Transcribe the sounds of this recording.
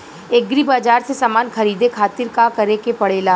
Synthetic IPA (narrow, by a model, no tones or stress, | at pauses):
eɡɾibaːd͡ʒaːɾsesaːmaːnxɐɾiːd̪ekʰaːt̪ɪɾkakɐɾekepɐɽeːlaː